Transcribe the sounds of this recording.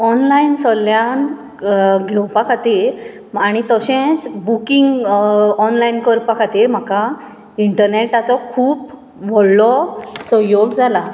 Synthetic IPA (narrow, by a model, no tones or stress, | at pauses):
ɔnlainsɔljan | ɡʱewpakʰat̪iːɾ | aɽ̃it̪əɕẽt͡sbukiŋɡɔnlainkəɾpakʰat̪iːɾm̤aka | iɳʈəɾneʈat͡sɔkʰuːp | ʋɔɽlɔsə̃joɡd͡zala